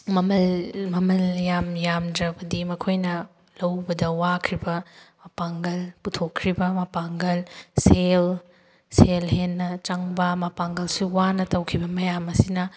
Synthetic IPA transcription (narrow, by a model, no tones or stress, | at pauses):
mɐmɐlmɐmɐljamjamdɾɐbɐdimɐkʰojnɐ | lɐwbɐdɐwakʰɾibɐmɐpaŋɡɐlputʰokʰːɾibɐmɐpaŋɡɐlsel | selɦenːɐt͡ʃɐŋbɐmɐpaŋɡɐlsuwanɐtɐwkʰibɐmɐjamɐsinɐ